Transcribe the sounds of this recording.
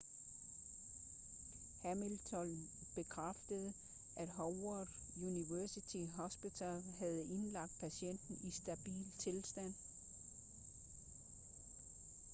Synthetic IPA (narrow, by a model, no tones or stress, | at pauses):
hæmilt͡sʰɒn | b̥e̝kʰʁafd̥əð̞̩ˠ | ʔæd̥ɦɒʊɒd̥juniʋæɐsit͡sʰiɦɒsb̥it͡sʰælɦæð̞̩ˠe̝nlɑ̈ɡ̥̚d̥̚pʰæɕen̰d̥n̩isd̥æb̥ḭːlt͡sʰe̝lsd̥æn̰